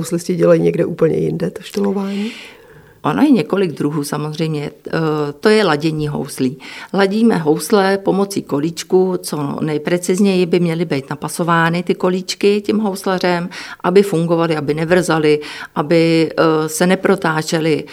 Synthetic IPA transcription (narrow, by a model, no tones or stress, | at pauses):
owslɪscɪɟɛlajiɲɛɡdɛʔuːpl̩ɲɛ̰jɪ̰ndɛt̪oʃt̪olovaːɲiː | ʔona̰jɛɲɛko̞lɪɡ̚d̪ɾuɦuːsamozr̝ɛjmɲɛt̪o̞jɛlaɟɛɲiːɦo̞̰wsliːlaɟiːmɛɦo̞wslɛpo̞mo̞t͡siːko̞liːt͡ʃkut͡so̞nɛjpɾɛt͡sɪzɲɛjɪbɪmɲɛlɪbɛjt̪napaso̞vaːnɪt̪ɪko̞liːt͡ʃkɪcɛmɦowslar̝ɛmʔabɪfuŋɡo̞valɪabɪnɛvr̩zalɪʔabɪsɛnɛpɾo̞t̪aːt͡ʃɛlɪ